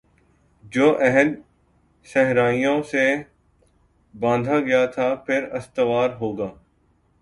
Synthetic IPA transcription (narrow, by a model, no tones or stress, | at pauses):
d͡ʒoːʔɛɦən | sɛɦɾaːijõse | bãːnd̪ʱaɡɐjat̪ʰaːpʰɪɾɐst̪əʋaːɾɦoːɡaː